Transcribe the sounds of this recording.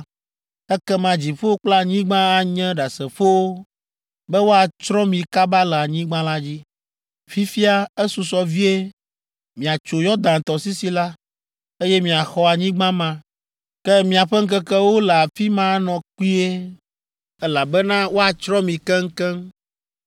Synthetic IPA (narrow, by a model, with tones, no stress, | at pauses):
ɛ˦kɛ˦mã˨d͡ʑi˨ɸo˦o˦k͡pla˦˨ɲĩ˦ɡ͡bã˦a˨ɲɛ̃˦ɖa˨sɛ˨ɸo˦wo˦ | bɛ˦wo˦a˨t͡ʃɾɔ̃˦mĩ˨ka˦ba˦lɛ˨a˨ɲĩ˦ɡ͡bã˦la˦d͡ʑi˦ | fi˦fi˦a˦ɛ˦su˨sɔ˨vi˦e˦ | mĩ˨a˨t͡ʃo˨jɔ˦d̪ã˨t̪ɔ˨si˦si˦la˦ | e˦jɛ˦mĩ˨a˨xɔ˦a˨ɲĩ˦ɡ͡bã˦mã˨ | kɛ˦mĩ˨a˨ɸɛ˦ŋ̩˦k̬ɛ˦kɛ˦wo˦lɛ˨a˨fi˦mã˦nɔ̃˨ku˦i˦e˦ | ɛ˦la˨bɛ˦nã˦wo˦a˨t͡ʃɾɔ̃˦mĩ˨kɛ˦ŋ̩˦kɛ˦m